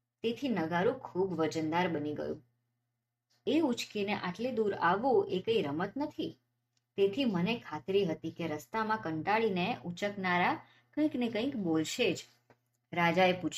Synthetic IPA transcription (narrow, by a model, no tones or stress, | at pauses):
t̪et̪ʰinəɡaɾũkʰubʋəd͡ʒənd̪aɾbəniɡə̰jṵ̃ | eut͡ʃkineʔaʈlid̪uɾaʋũekəiɾəmət̪nət̪ʰi | t̪et̪ʰimənekʰat̪ɾiɦət̪ikeɾəst̪amãkəɳʈaɭineut͡ʃəknaɾa | kə̃ĩknekə̃ĩkbolʃed͡ʒ | ɾad͡ʒaeput͡ʃʰ